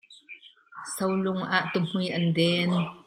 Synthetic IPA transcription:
sɐwlʊŋʔaːʔt̪um̥ujʔɐndɛːn

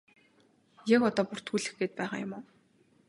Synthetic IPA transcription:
jakɔt̪ɔːpʊr̥t̪ʰuːɮɘ̆xɡeːt̪̚pæːχa̰ːjʊ̰mʊː

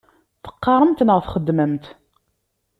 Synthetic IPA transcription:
θə̥qːɑɾˤəmt̪nəʁθχəd̪ːməmt̪

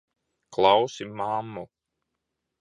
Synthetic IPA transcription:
klˠɑwsimamːu

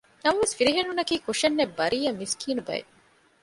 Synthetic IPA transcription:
nɐmɐʋesfiɾiɦenunɐkiːkuʂenːebːɐɾiːɐmiskiːnubɐ̰jḛ

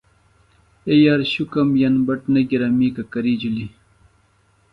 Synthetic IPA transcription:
ejaɾɕukɐmjanbɐʈnɐɡiɾamiːkɐkɐɾiːd͡ʑuli

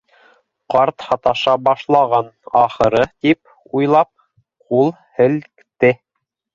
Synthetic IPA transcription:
qɑɾt̪hɑt̪ɑʃɑbɑʃlˠɑʁɑnɑχɤ̆ɾɤt̪ip̚ | ujlˠɑp̚ | qulˠ | hɘ̆lkt̪ɘ

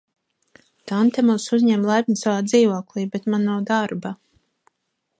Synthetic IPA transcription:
t̪ant̪ɛmunsuzʲɲɛmlˠajpʲnʲisavaːd̪ziːvoɔklˠiːbɛt̪manawd̪aɾba

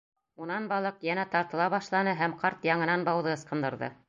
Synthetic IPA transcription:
unɑnbɑlˠɤqjænæt̪ɑɾt̪ɤ̆lˠɑβɑʃlˠɑnɤɦæmqɑɾt̪jɑɴɤ̆nɑnbɑwðɤɤ̆sqɤ̆nd̪ɤ̆ɾðɤ̰

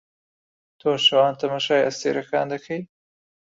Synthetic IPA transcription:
t̪ʰoːʃɐwɑːnt̪ɐmaʃɑːjɐst̪eːɾɐkɑːnd̪ɐkʰəj

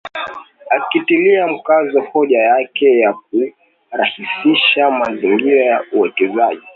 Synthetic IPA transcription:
akitiliam̩kazɔhɔʄajakɛjak̚u | ɾahisiʃamaziŋɡiɾajauwɛkɛzaʄi

